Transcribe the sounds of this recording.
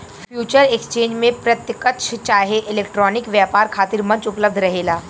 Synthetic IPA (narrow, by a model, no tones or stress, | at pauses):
fʰjuːt͡ʃəɾekst͡ʃẽːɲd͡ʒmẽpɾɐt̪jəkət̪ʃʰt͡ʃaːɦeʔɪleːkʈɾɔːnɪkʋjaːpaːɾkʰaːt̪ɪɾmɐ̃ɲt͡ʃʊpləb̚d̪ʱɾɐɦeːlaː